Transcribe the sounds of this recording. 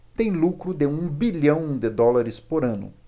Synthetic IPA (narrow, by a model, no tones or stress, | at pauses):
t̪ẽj̃lukɾʊd̪ɪũbiʎɐ̃w̃d̪ɪd̪ɔlaɾɪspoɾɐ̃nʊ̰